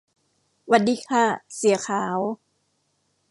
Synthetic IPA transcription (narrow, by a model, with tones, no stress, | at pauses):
wa˧t̪̚diː˧˩kʰa˧˥˩si˨˩˦ɐkʰaː˩˦w